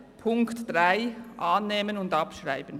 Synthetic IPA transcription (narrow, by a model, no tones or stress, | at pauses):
pʰʊŋktd̥ʁaɪʔɑːnːeːmənʊndɑpʃʁaɪbən